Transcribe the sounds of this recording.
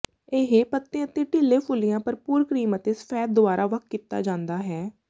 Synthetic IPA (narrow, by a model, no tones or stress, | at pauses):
eɦeːpət̪ːẽːət̪ẽːʈɪlːeːpʰʊlɪjãːpəɾpuːɾkɾiːmət̪eːsə̥pʰɛːt̪̚d̪ʊaːɾʔaːʋəkkiːt̪ːa̰ːd͡ʒãːnd̪aːɦɛː